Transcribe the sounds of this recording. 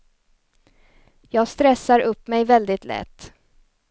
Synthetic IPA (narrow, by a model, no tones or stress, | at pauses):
jɑːɡst̪ɾɛsːaɾɵpːmɛjvɛld̪ɪt̪lɛ̰t̪ː